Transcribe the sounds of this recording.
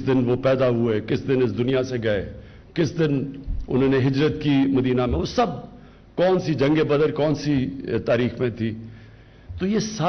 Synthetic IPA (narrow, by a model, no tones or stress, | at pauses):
d̪ɪnʋopɛːd̪aɦʊeːkɪsd̪ɪnɪsd̪ʊnijaseɡɐḛː | kɪsd̪ɪnʊ̰nõːneɦɪd͡ʒɾət̪kimɐd̪iːnamẽʋosɐb̚ | kɔːnsid͡ʒɐ̃ŋɡebəd̪əɾkɔːnsit̪aːɾiːxmẽt̪ʰiː | t̪oːjeːsaː